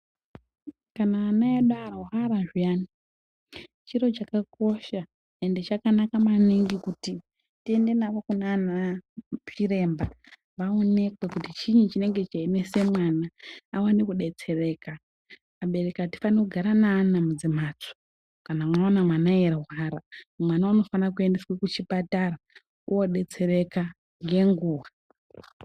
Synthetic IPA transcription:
kanaːnaeɗaɾauɦaɾaʐijani | t͡ʃiɾo̞t͡ʃakako̞ʃa | ende̞t͡ʃakanakamaniŋɡikuti | tie̞nde̞naʋokunaːna | t͡ʃire̞mba | ʋaone̞kwe̞kutit͡ʃiɲut͡ʃine̞ŋɡe̞t͡ʃainese̞mwanaːwanekuɗe̞t͡se̞re̞ːka | maɓe̞rekati̥fanekuɡʱaɾanaːnamud͡zimaːt͡so̥ | kanamwaonamwanaerɦwaɾamwanauno̞fanak̬ue̞ndeswekut͡ʃipatara | ujo̞ɗe̞t͡se̞re̞ka | ŋɡe̞ŋɡuːʋa

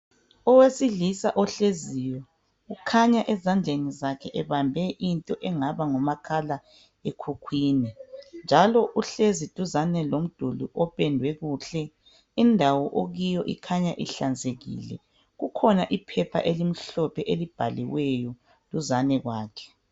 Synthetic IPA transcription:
ɔwesiɮisaʔɔɬezijɔ | ɣukʰaɲaʔɛzand͡ɮʱenizakʰɛʔɛβambʱɛʔintʼɔʔɛŋaβaŋɔmakʰala | ekʰukʰwiːnind͡ʒʱalɔʔuɬezitʼuzanɛlom̩d̥ʱuluʔɔpʼɛndʱwɛɣuɬɛ | indʱawɔʔoɣijɔʔḭkʰaɲaʔḭɬand͡zʱeɣḭːlɛ̰ | ɣukʰɔnaʔipʰɛpʰa̰ʔelim̩ɬɔpʰɛʔelib̥ʱaliwɛjɔ | tʼuzanɛɣwaːkʰɛ̥

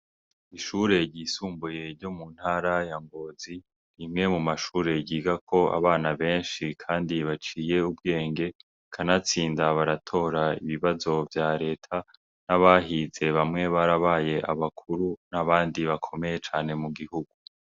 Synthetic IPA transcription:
iʃuːɾe̞ɟisuːmbuje̞ɾɟo̞mun̥haɾajaŋɡo̞ːzi | ɾimŋe̞mumaʃuːɾe̞ɟiːɡakʰo̞a̰βaːnaβe̞ːnʃikʰaːndiβat͡ʃiːje̞ub̚ɡe̞ːŋɡe̞ | kʰanat͡siːndaβaɾatʰo̞ːɾaiβiβazo̞vjaɾe̞ːtʰa | naβaɦize̞βamŋe̞βaɾaβaːje̞ʔaβakʰuɾunaβaːndiβakʰo̞me̞je̞t͡ʃaːne̞muɡihuɡ̥u

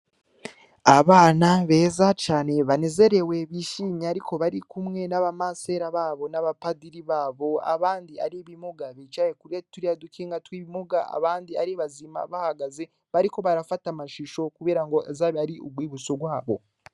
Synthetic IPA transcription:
aβaːnaβe̞ːzat͡ʃaːne̞βane̞ze̞ɾe̞we̞βiʃiːɲeaɾiko̞βaɾikumŋe̞naβamase̞ɾaβaːβo̞naβapadiɾiβaːβo̞a̰βaːndia̰ɾiβimoɡaβit͡ʃajekuɾetuɾiadukiːŋɡatwiːβimoɡaʔa̰βaːndiaɾiβazima̰βahaɡaze̞ | βaɾiko̞βaɾafatamaʃiʃo̞kuβeːɾaŋɡo̞ezaːβiaɾiuɡwiːβut͡soɡwaːβo̞̰

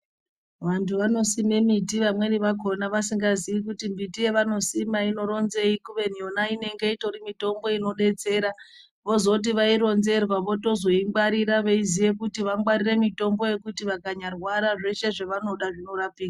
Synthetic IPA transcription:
ʋantʰuʋano̞sime̞mitiʋamwe̞niʋako̞naʋasiŋɡazijikutimbitije̞ʋano̞simaino̞ɾo̞nze̞ikuʋe̞n̤ijo̞naine̞ŋɡe̞ito̞ɾimito̞mbo̞ino̞ɗe̞t͡se̞ːɾa | ʋo̞zo̞t̬iʋaiɾo̞nze̞rwaʋo̞to̞zoiŋɡwaɾiɾaʋe̞izije̞kutiʋaŋɡwaɾire̞mito̞mbo̞je̞kutiʋakaɲarwaɾaʐe̞ʃe̞ʐe̞ʋano̞ɗaʐino̞ɾapiːka

